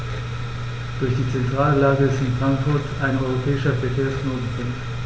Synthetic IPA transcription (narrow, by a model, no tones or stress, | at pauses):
d̥ʊɐçd̥iːt͡sɛntʁ̥aːllaːɡəɪstɪnfʁ̥aŋkfʊɐtaɪnɔʏʁopʰɛːɪʃɐfɛɐkʰeːɐsknoːtn̩fʰʊŋ